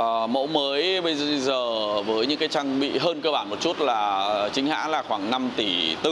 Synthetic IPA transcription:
mo̰˧˥məː˨˦jɓə˧jzəː˨˩vəː˨˦jɲɨ̰˧˥ŋkaː˨˦jt͡ɕa˧ŋɓḭ˧˨ɦəː˧nkəː˧ɓaː˧˩nmo˨˩t̚t͡ɕu˦˥t̚laː˨˩t͡ɕï˨˦ŋ̟ha̰ː˧˥laː˨˩xwaː˧˩ŋna˧mt̪i˧˩t̪ɨ˦˥

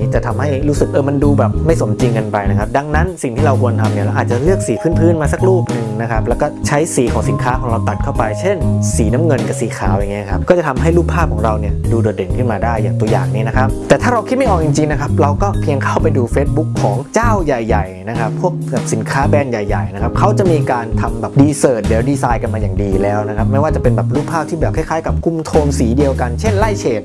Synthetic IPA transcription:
iː˦˥˩t͡ɕa˨˩t̪ʰa˧mha˥˩jɾuː˦˥sɯ˨˩k̚ʔɤː˧˩ma˧nduː˧bɛː˨˩p̚ma˥˩jso˩˦nt͡ɕi˧ŋka˧npa˧jna˦˥kʰa˦˥p̚da˧ŋna˦˥nsi˨˩ŋt̪ʰiː˥˩ɾa˧wkʰu˧ənt̪ʰa˧mni˥˩la˧˦˩ʔaː˨˩t̪̚t͡ɕa˨˩lɯ˥˩ək̚siː˨˩˦pʰɯː˥˩npʰɯː˥˩nmaː˧sa˨˩k̚ɾuː˥˩p̚nɯ˨ŋna˦˥kʰa˦˥p̚lɛː˦˥wkɔː˥˩t͡ɕʰa˦˥jsiː˩˦kʰɔː˩˦ŋsi˨˩˦nkʰaː˦˥kʰɔː˩˦ŋɾa˧wt̪a˨˩t̪̚kʰa˥˩wpa˧jt͡ɕʰe˥˩nsiː˩˦na˦˥mŋɤ˧nka˨˩siː˩˦kʰaː˨˩˦wja˨ŋːi˦˥˧kʰa˦˥p̚kɔː˥˩t͡ɕa˨˩t̪ʰa˧mɦa˥˩jluː˥˩pʰːaː˥˩p̚kʰɔː˩˦ŋɾa˧wni˥˩əduː˧do˨˩t̪̚de˨˩nkʰɯ˥˩nmaː˧daː˥˩jːaː˨˩ŋt̪u˧əja̰ː˨˩ŋniː˦˥na˦˥kʰa˦˥p̚t̪ɛː˨˩t̪ʰaː˥˩ɾa˧wkʰi˦˥ma˥˩ʔ̚ːt͡ɕi˧ŋt͡ɕi˧ŋna˦˥kʰa˦˥p̚ɾa˧wkɔː˥˩pʰi˧əŋkʰa˥˩wpa˧jduː˧feː˦˥t̪̚bu˦˥kʰːɔː˩˦ŋt͡ɕaː˥˩wja˨˩jːa˨˩jna˦˥kʰa˦˥pʰːu˥˩ək̚a˨˩p̚si˨˩˦nkʰaː˦˥˩bɛː˥˩nja˨˩jːa˨˩jna˦˥kʰa˦˥p̚kʰa˦˥wt͡ɕa˨˩ʔmiː˧kaː˧nt̪ʰa˧mbɛː˨˩pdiː˧sɤː˨˩t̪̚lɛː˩˦wdiː˧saː˧jka˧nmaː˧jaː˨˩ŋdiː˧lɛː˦˥wna˦˥kʰa˦˥p̚ma˥˩jwaː˥˩t͡ɕa˨˩pe˧nbɛː˨˩p̚luː˥˩k̚pʰːaː˥˩p̚t̪ʰiː˥˩bɛː˨˩kʰa˥˩jkʰaː˦˥jka˨˩p̚kʰu˧mt̪ʰoː˧msiː˩˦di˧əwka˧nt͡ɕʰe˥˩nla˥˩jt͡ɕʰeː˨˩t̪̚

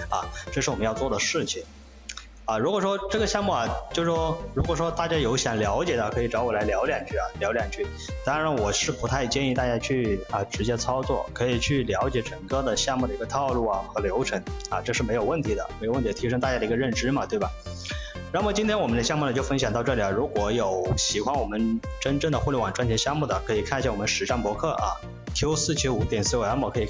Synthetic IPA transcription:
ɐ̰˩ʈ͡ʂɤ˥˧ʂɻ̩˥˩wɔ˨˩m˦jɑ˥˧t͡swɔ˥˩d̪ə˩ʂɻ̩˥˩t͡ɕʰi˨˩ŋ | ɐ˧ɻu˧˥kwɔ˨˩ʂwɔ˥ʈ͡ʂɤ˥˩ɡə˩ɕjɑ˥˧ŋmu˥˩ɐ˨˩t͡ɕjo˥˧ʊʂ̩˥ʂɔ˥ɻu˧˥kwɔ˨˩ʂwɔ˥t̪a˥˩t͡ɕja˥jo˧˥ʊɕjɑ˨˩ŋljɑ˧˥ʊt͡ɕjɛ˨˩d̪ə˩kʰɤ˧˥i˨˩ʈ͡ʂɑ˧˥ʊwɔ˨˩la˧˥ɪljɑ˧˥ʊljɛ˨˩nt͡ɕʰy˥˩ɐ˩ljɑ˧˥ʊljɛ˨˩nt͡ɕʰy˥˩ | t̪a˥ɻa˧˥nwɔ˨˩ʂɻ̩˥˩pu˧˥t̪ʰa˥˧ɪt͡ɕjɛ˥˧ni˥˧t̪a˥˩t͡ɕja˥t͡ɕʰy˥˩ə˧ʈ͡ʂɻ̩˧˥t͡ɕjɛ˥t͡sʰɑ˥ʊt͡swɔ̰˥˩kʰɤ˧˥i˨˩t͡ɕʰy˥˩ljɑ˧˥ʊt͡ɕjɛ˧˥ʈ͡ʂə˨˩ŋkɤ˥˩d̪ə˩ɕjɑ˥˧ŋmu˥˩ə˩i˧˥ɡə˧t̪ʰɑ˥˧ʊlu˥˩ɐ˩xɤ˧˥ljo˧˥ʊʈ͡ʂʰɤ˧˥ŋɐ˧ʈ͡ʂɤ˥˧ʂɻ̩˥˩me˧˥ɪjo˨˩ʊwə˥˩nt̪ʰi˧˥d̪ə̰˧me˧˥o˨˩wə˥˩i˧˥˧i˧˥ʂɤ˥ŋt̪a˥˩t͡ɕja˥d̪i˧˥ɡə˧ɻə˥˩nʈ͡ʂɻ̩˥mɐ˨t̪we˥˩ɪbɐ˩ | na˥m˥˨˩t͡ɕi˥nt̪ʰjɛ˥nwɔ˨˩mə˦nd̪ə˧ɕjɑ˥˧ŋmu˥˩nə˩t͡ɕjo˥˧ʊfə˥ŋɕjɑ˨˩ŋt̪ɑ˥˧ʊʈ͡ʂɤ˥˩li˨˩a˩ɻu˧˥kwɔ˧˥jo˨˩ʊɕi˨˩kʰwa˥nwɔ˨˩mə˦nʈ͡ʂə˥nʈ͡ʂɤ˥˩ŋd̪ə˩xwu˥˧ljwa˨˩nʈ͡ʂwnt͡ɕʰjɕjɑ˥˧ŋmu˥˩d̪ə˩kʰɤ˧˥i˨˩kʰɕja˥˩wɔ˨˩mə˦nʂɻ̩˨˩ʈ͡ʂa˥˩npwɔ˧˥kʰɤ˥˩ʔɐ̰˩ | k̪ʰju˥ʊsɹ̩˥˧t͡ɕʰi˥u˨˩t̪jɛ˥˩nsɹ̩˥˩˥a˧˥nwɔ˨˩kʰɤ˧˥i˨˩

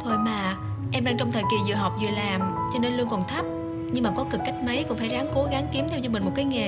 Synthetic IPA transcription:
t̪ʰo˧˩jmaː˨˩ | ʔɛ˧mɗaː˧ŋt͡ɕɔ˧wŋ͡mt̪ʰəː˨˩jki˨˩zɨ̰˨ɦɔ˨˩wk͡p̚zɨ̰˨əlaː˨˩m | t͡ɕɔ˧ne˧nlu˧əŋkɔ˨˩nt̪ʰə˦˥p̚ | ɲɨ˧ŋmaː˨˩kɔ˨˦kɨ˨˩kːa˦˥jk̟̚mə˨˦jkʊ̰˧˥ŋ͡mfaː˧˩jzaː˨˦ŋko˨˦ɣa˨˦ŋki˨˦mt̪ʰɛ˧wt͡ɕɔ˧mï̟˨˩mo˨˩t̚kaː˨˦jŋe˨˩

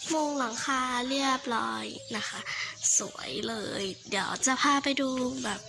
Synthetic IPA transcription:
mo˧ŋla˩˦ŋkʰaː˧li˥˩əp̚lɔː˧˥jna˦˥xʰa˦˥sṵ˩˦ɐ̰jlɤː˧jdi˨˩˦əwt͡ɕa˨˩pʰaː˧pa˧jduː˧bɛː˨˩p̚

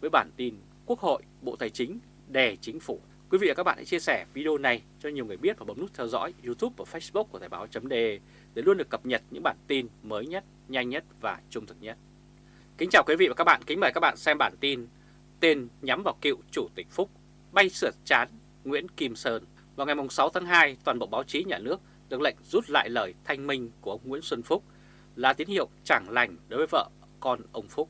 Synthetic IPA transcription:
vəː˨˦jɓaː˧˩nt̪i˧n | ku˦˥ək̚ho̰˧˨jɓo̰˧˨t̪aː˨˩jt͡ɕï˨˦ŋ̟ | ɗe˨˩t͡ɕï˨˦ŋ̟fu˧˩ | kwi˨˦vḭ˧va˨˩kːa˦˥ɓaː˧˨ʔa̰˧t͡ɕi˧əsɛ˧˩vi˧ɗe˧o˧na˨˩j | t͡ɕɔ˧ɲi˨˩wŋɨ˨˩jɓət̚vaː˨˩ɓə˨˦ŋ͡mn˦˥t̚t̪ʰɛ˧wzɔ̰˧˥jzu˧t̪ʰu˦˥p̚vaː˧˩fə˦˥sɓʊ˦˥k̚ku˧˩t̪ʰaː˨˩jɓaː˨˦wt͡ɕə˨˦mɗe˧ | ɗe˧˩lu˧ənɨ˨˩əkːə˨˩p̚ɲə˨˩t̚ɲɨ̰˧˥ŋɓaː˧˩nt̪i˧nməː˨˦jɲə˦˥t̚ | ɲa˧jŋ̟ɲə˦˥t̚vaː˨˩t͡ɕʊ˧ŋ͡mt̪ʰɨ˨˩k̚ɲə˦˥t̚ | kï˨˦ŋ̟t͡ɕaː˨˩wkwi˨˦vḭ˧˨vaː˨˩ka˦˥k̚ɓa̰ː˧˨kï˨˦ŋ̟maː˨˩kaː˦˥k̚ɓ̰a̰ː˧˨nsɛ˧mɓaː˧˩nt̪i˧n | t̪e˧nɲa˨˦mvaː˨˩wkḭ˧˨wt͡ɕu˧˩t̪ï˨˩k̟̚fʊ˦˥k͡p̚ | ɓa˧jsɨ˧˩ət͡ɕaː˨˦n | ŋwḭ˧˥ənki˧msəː˧n | vaː˨˩wŋa˨˩jmʊ˨˩ŋ͡msa˨˦wt̪ʰaː˨˦ŋɦaː˧jt̪waː˨˩nɓə̰˧˨wɓaː˨˦wt͡ɕi˨˦ɲaː˨˩nɨ˦˥ək̚ | ɗɨ˨˩ək̚lə̰˧˨jŋ̟zu˦˥t̚la̰ː˧˨jləː˨˩jt̪ʰa˧jŋ̟mï˧ŋ̟ku˧˩əə˧wŋ͡mŋḭ˧˥ənswə˧nfʊ˦˥k͡p̚ | laː˧˨t̪i˨˦ənhḭ˧˨əwt͡ɕaː˧˩ŋla˨˩jŋ̟ɗo˨˦jvəː˨˦jvə̰ː˧˨ | kɔ˧nʔə˧wŋ͡mfʊ˦˥k͡p̚

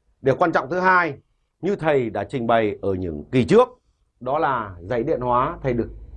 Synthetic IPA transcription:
ɗe˨˧˩kwaː˧nt͡ɕɔ̰˧˨ŋ͡mt̪ʰɨ˨˦ɦaː˧j | ɲɨ˧t̪ʰə˨˩jɗa̰ː˧˥t͡ɕï˨˩ŋ̟ɓa˨˩jʔəː˧˩ɲɨ̰˧˥ŋki˨˩t͡ɕɨ˦˥ək̚ | ɗɔ˨˦laː˨˩zə˧˩jɗḭ˧˨ənhwaː˨˦t̪ʰə˨˩jɗɨ˨˩ək̚

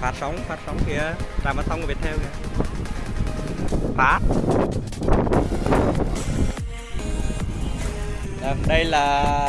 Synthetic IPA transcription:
faː˨˦˥t̚sə˨˦wŋ͡mfaː˨˥t̚sə˨˦wŋ͡mki˨˧˩ət͡ɕaː˨˩maː˨˧˩sa˧wŋ͡mkːi˨˩t̪ʰɛː˧wki˨˧˩ə | faː˨˦˥t̚ | ɗaː˨˩ɗə˧jlaː˨˩

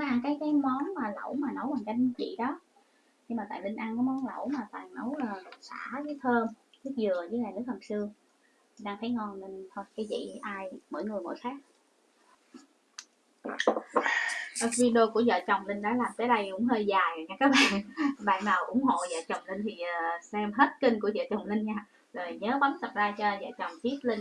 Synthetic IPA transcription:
ɔ˨˦ʔa˧˩ŋkaː˨˦jkaː˨˦jmɔ˨˦nmaː˨˩lə̰˧˩wmaː˨˩nə˨˦wɓaː˨˩ŋt͡ɕa˧jt͡ɕḭ˧˨ɗɔ˨˦ | ɲi˧maː˨˩t̪a̰ː˧˨˩li˧ŋ̟ʔa˧nkɔː˨˦mɔ˨˦nlə̰˧˩wmaː˨˩t̪a̰ː˧˨ŋnə˨˦wlaː˨˩˨sa̰ː˧˥zəː˨˦jt̪ʰəː˧mtɨ˦˥k̚zɨ˨˩əzəː˨˦ŋaː˨˩jnɨ˦˥ək̚hə˨˩msɨ˧ə | t̪ʰi˨˩ɗaː˧ŋt̪ʰə˨˦jŋɔ˧nli˧nt̪ʰo˧jkaː˨˦jzḭ˧˨ʔaː˧jmo̰˧˥jŋɨ˨˩əjmo̰˧˩jxaː˦˥k̚ | ʔə˨˩vi˧ɗo˧ku˧˩əzə̰ː˧˨t͡ɕə˨˩wŋ͡mlï˧ŋɗa̰ː˧˥laː˨˩mkaː˨˦jɗə˧jkʊ̰˧˥ŋ͡mhəː˧jzaː˨˩jɲaː˧kaː˨˦k̚ɓa̰ː˧˨nɓa̰ː˧˨nnaː˨˩wʔʊ̰˧˥ŋ͡mɦo̰˧˨zə̰ː˧˨t͡ɕə˨˩wŋ͡mlï˧ŋ̟t̪ʰi˨˩˨sɛ˧mɦe˦˥t̚kï˧ŋku˧˩əzə̰ː˧˨t͡ɕə˨˩wŋ͡mlï˧ŋ̟ɲaː˧ | zo˨˩jɲəː˨˦ɓa˨˦nt̪ʰə˨˩p̚zaː˧t͡ɕɔ˧zə̰ː˧˨t͡ɕə˨˩wŋ͡mt̪i˦˥ət̚lï˧ŋ̟

